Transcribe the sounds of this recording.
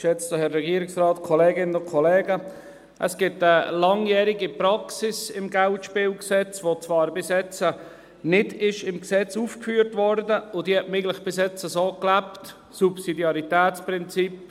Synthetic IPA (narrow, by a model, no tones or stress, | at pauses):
ʃɛt͡stəhɛɾɛɡiəɾɪksɾɑːt̪kʰɔleːɡɪnənʊnkʰɔlɛːɡə | ʔə̰sɡ̥ɪtəlɑŋjɛːɾɪɡipɾɑksɪsɪmɡaltʃpɪːlksɛt͡sʋot͡svɑːɾbɪsɛt͡sə | nɪdɪʃɪmksɛt͡suːfkfyːəɾtvɔɾdəʊdihɛtmɪɡləχb̥ɪsɛt͡səsoːklæpt | supsidiɑɾit̪ɛːt͡spɾɪnt͡sip